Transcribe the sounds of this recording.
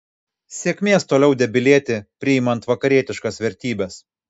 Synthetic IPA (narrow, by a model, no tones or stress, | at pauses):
sʲiɛkʲmʲeːst̪oːlʲɛʊd̪ʲɛbʲɪlʲiɛt̪ʲɪpʲɾʲɪɪmɐnt̪ʋɐkɐɾʲiɛt̪ʲɪʃkɐsʋʲɛɾʲt̪ʲiːbʲɛs